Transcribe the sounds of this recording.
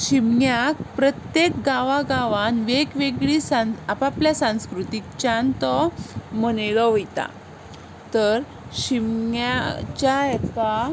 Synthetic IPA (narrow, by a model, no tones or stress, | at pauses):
ɕimɲjakpɾət̪jekɡaʋaɡaʋanʋeɡʋeɡɭisãapapljasãw̃skɾut̪ik̚t͡ɕant̪ɔməneɭɔʋojt̪a̰ | t̪əɾ | ɕimɲjat͡ɕaɛt̪ka